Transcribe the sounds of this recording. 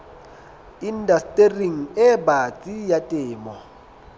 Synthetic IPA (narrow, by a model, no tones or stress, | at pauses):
indastʼeriŋ̩ɛbat͡sʼijatʼɪːmɔ